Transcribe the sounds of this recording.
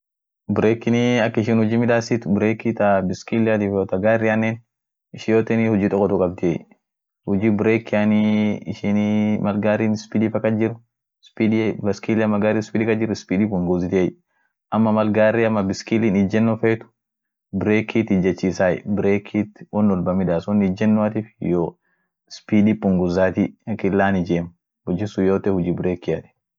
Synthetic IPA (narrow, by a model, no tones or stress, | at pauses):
bɾeːkːɪniɐkːɪʃɪnhʊd͡ʒiːmɪᶑ̪aːsit̪ʊbɾeːkit̪ɐbɪskilɐt̪ɪfoːt̪ɐɡaːrːɪɐnːeːn | ɪʃɪjoːt̪ɛnihʊd͡ʒiːt̪ʼɔkːɔt̪uːkʼɐb̚d̪ɪɛ̰j | hʊd͡ʒiːbɪɾeːkːɪaniɪʃɪnmɐlɡaːɾiːnspiːd̪ifɐkːɐd͡ʒɪrʊ | spid̪bɐskiːliɐmːɐɡaːɾiːspiːd̪iːkːɐd͡ʒɪɾːʊɪspiːd̪iːkʊŋɡozɪt̪ɪɛj | ʔɐmːɐmɐlɡaːriɐmːɐbɪskiliːnɪd͡ʒɛnːɔfɐjt̪ʊ̥ | bɪɾeːkʰiːt̪ɪd͡ʒːɐt͡ʃːiːsaːj̰bɪɾeːkʰiːt̪wɔnːɔlbɐmɪᶑaːsɔnːɪd͡ʒɛnːɔɐt̪iːfjo | spiːd̪ipʊŋɡʊzaːt̪ikɪlːaːnɪd͡ʒeːm | hʊd͡ʒɪsʊjoːt̪ɛhʊd͡ʒiːbɪɾeːkːɪat̪i̥